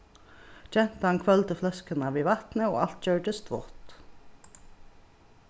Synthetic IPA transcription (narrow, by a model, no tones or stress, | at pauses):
d͡ʒɛnt̪əɑnkʰʋœlt̪əflœskənɑʋiːʋɑt̪nəoːʔɑlt̪̚d͡ʒœːɖəst̪ʋʊ̰ʁt̪